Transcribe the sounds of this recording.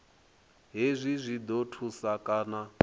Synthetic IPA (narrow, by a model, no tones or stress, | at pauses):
ɦezʷizʷid̪otʰusakʼaːna